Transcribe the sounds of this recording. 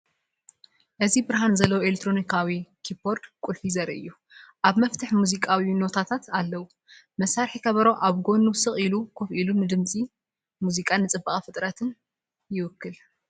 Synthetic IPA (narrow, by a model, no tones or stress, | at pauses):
ʔɨzibɨɾɦanzɐlːɐwoelet̪ʰːɾo̞nikʰawikʰipʰo̞ɾd̪kʼulfizɐɾʔɨ̰jːu | ʔaβmɐft̪ʰɨħmuzikʼawino̞t̪ʰat̪ʰat̪ʰalːɐwu | mɐsaɾħikʰɐβɐɾo̞ʔaβɡo̞nusɨχʼilukʰofʔilunɨd̪ɨmt͡sʼi | muzikʼanːɨt͡sʼɨbːaχʼfɨt̪ʼɾɐt̪ʰɨn | jɪwɨkːɨl